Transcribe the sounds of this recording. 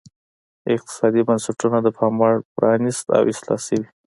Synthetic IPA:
ɪq̚t̪ɪ̥sɑd̪ibansaʈunad̪əpʰɑmɑɽpɾʔɑnist̪a̰wɪslɑ̰səwi

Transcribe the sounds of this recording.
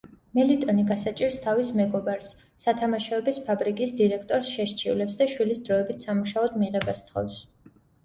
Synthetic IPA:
mɛlit̪ʼɔniɡasat͡ʃʼiɾst̪ʰavismɛɡɔbaɾsː | at̪ʰamaʃɔɛbispʰabɾikʼisd̪iɾɛkʰt̪ʼɔɾsʃɛʃt͡ʃʰivlɛpsd̪aʃwilisd̪ɾɔɛbit̪ʰsamuʃaɔd̪miʁɛbast̪ʰχɔ̰fs

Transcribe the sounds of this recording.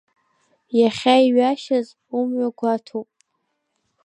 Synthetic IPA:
jaχʲaiɥaʃaz | umɥaɡʷatʰopʼ

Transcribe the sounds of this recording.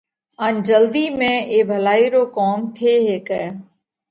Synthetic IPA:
and͡ʒəld̪iːmẽeːbʱəlaːiɾoːkɔːmt̪ʰeːɦeːkɛː

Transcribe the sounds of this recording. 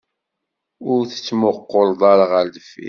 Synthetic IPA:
ʊɾθə̥t͡sːmoqːold̪ˤɑɾˤʁəɾd̪əfḭ

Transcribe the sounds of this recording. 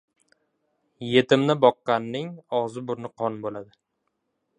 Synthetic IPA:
je̞t̪ʰɪmnɪbɒqːɑnːɪŋɒʁzɪbʊɾnɪqʰɒnbolad̪ɪ

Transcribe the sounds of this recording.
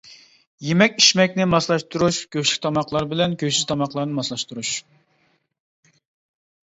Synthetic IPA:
jemɛkʲiʃmɛkʲnɪmɑslˠɑʃt̪ʰuɾuʃkʲøʃlɪk̚ʲt̪ʰɑmɑqlˠɑɾbɪlɛnkʲʰøʃizt̪ʰɑmɑχlˠɑɾnɨmɑslˠɑʃt̪uɾuʃ

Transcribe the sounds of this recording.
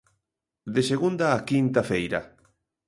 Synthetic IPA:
d̪eseɣund̪aːkint̪afejɾa̰

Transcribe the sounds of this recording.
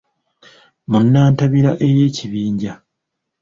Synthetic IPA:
munːaːntaβiɾaʔe̞jeːciβiːɲɟa

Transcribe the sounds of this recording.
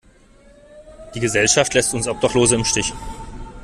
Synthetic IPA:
d̥iːɡəzɛlʃaftlɛstʊnsʔɔp̚d̥aχloːzəɪmʃtɪç

